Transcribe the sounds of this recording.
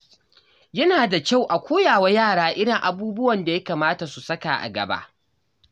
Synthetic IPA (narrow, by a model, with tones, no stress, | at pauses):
jɐ˦naː˨da˨kʲa˦˨wʔa˨kʷoː˦jaː˨wa˦jaː˦˨ɽaː˦ʔɪ˦ɽɪ˨ŋʔa˨buː˦bʊ˦wɐ˨nda˨ja˦kaː˨maː˦ta˨su˨sɐ˦ka˨ʔa̰˨ɡɐ̰˨ba̰˦ʔ